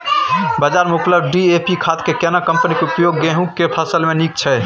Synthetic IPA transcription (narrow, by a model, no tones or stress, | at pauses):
bəd͡ʒaɾmukləbɖiepikʰat̪kekenakəmpənikeupjoɡːẽɦũkːepʰəsəlmenikt͡ʃʰɛ